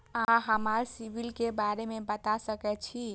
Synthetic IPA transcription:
ãɦəmaɾsibʱilkebaɾemebət̪asəkɛt͡ʃʰi

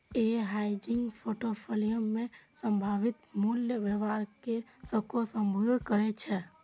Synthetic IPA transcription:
eɦad͡ʒɪŋɡpʰoʈopʰolijəmːẽsəmbʱaʋit̪muljəʋəʋaɾke | səkʰosəmbʱud̪ʱkəɾɛt͡ʃʰɛ

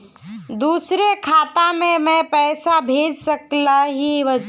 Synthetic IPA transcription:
d̪uːsɾekʰaːt̪amẽmɛ̃pɛːsabʱeːd͡ʒsɐklaɦiʋɐ

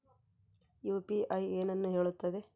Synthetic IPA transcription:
juːpiʔɐjeːnɐnːuɦe̞ːɭut̪ːɐd̪e̞

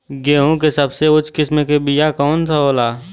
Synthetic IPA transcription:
ɡeːɦõkesɐbseʊt͡ʃʰkɪsmekebijakɔːnsʰaɦoːlaː

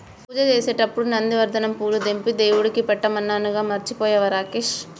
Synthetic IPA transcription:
puːd͡ʒɐt͡ʃeːseːʈɐpːuɽunɐnd̪iʋɐɾd̪ʱɐnɐmpuːlud̪empid̪eːwuɽikipɛʈːɐmɐnːaːnuɡaːmɐɾt͡ʃipɔːjɐʋɐɾaːkeʃ

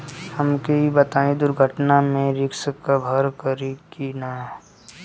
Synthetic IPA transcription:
hɐmkeibət̪aːĩd̪ʊɾɡʱəʈnamẽɾɪkʃəkːabʱəɾkəɾikiːnaɦɛ

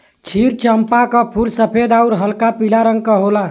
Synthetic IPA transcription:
t͡ʃʰiɾt͡ʃəmpakəpʰulsəpʰed̪auɾɦəlkapilaɾəŋɡ̚kəɦola

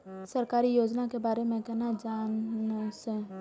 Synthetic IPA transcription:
səɾkaːɾijoːd͡ʒnakebaːɾemẽkɛɦnad͡ʒaːnse

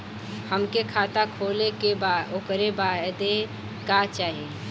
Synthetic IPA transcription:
həmkekʰaːt̪akʰolekebaokɾebad̪e | kat͡ʃaːɦi

